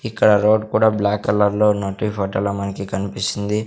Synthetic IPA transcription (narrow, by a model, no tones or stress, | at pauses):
ikːɐɽɐɾoːɖkuːɽaːblaːkːɐlɐɾloːnoːʈiːpʰoːʈɐlɐmɐnɐkikɐnipisind̪i